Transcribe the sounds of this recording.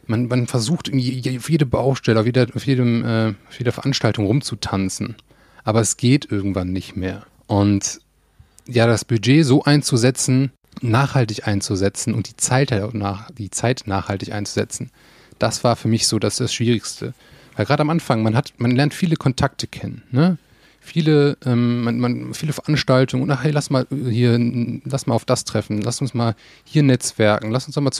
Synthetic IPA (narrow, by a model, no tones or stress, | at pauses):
manmanfɛɐzuːxtʔɪɐɡ̩ŋ̩v̥ijaʊjeːdəbaʊxʃtɛləaʊfjeːdɐaʊfjeːdəmʔɛːaʊfjeːdɐfɛɐʔanʃtaltʊŋʁʊmt͡sutʰant͡sn̩ | ʔaːbɐɛsɡ̥eːtʔɪɐɡŋ̩tv̥anːɪçtmeːɐ | ʔʊnt | jaːdasb̥yd͡ʒeːzoːʔaɪnt͡suzɛt͡sn̩ | naːχhaltɪçʔaɪnt͡suzɛt͡sn̩ʊnt̚d̥iːt͡saɪthnad̥iːt͡saɪtnaːχhaltɪçʔa̰ɪnt͡suzɛ̰t͡sn̩ | d̥asv̥aːɐfyːɐmɪçz̥oːdasd̥asʃv̥iːʁɪçstʰə̰ | vaɪlɡʁaːdəamʔanfaŋmanɦatmanlɛɐntfiːləkʰɔntʰak̚tʰə̥kʰɛnənːə | fiːləʔɛːmmanmanfiːləfɛɐʔanʃtaltʊŋəʊntʔaχhɛːlasmaːlhiːɐlastmaːlaʊfd̥astʁ̥ɛfn̩lastʊnsmaːl | hiːɐnɛt͡sv̥ɛɐkŋ̩lastʊnsd̥ɔχmaːt͡s